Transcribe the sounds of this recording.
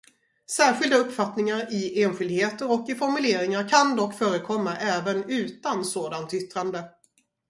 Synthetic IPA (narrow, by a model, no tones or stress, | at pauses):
sæːɾɧɪld̪aɵpːfat̪nɪŋaɾɪeːnɧʏld̪ɪheːt̪əɾɔkːɪfɔɾmɵleːɾɪŋaɾkʰand̪ɔkːfœːɾəkʰɔmːaʔɛːvənʉ̟ːt̪ansoːd̪ant̪ʏt̪ːɾand̪ə